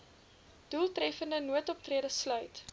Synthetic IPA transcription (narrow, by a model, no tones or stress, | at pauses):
d̥ulˠtrɛfəndənuətɔp̚triədəslœɥt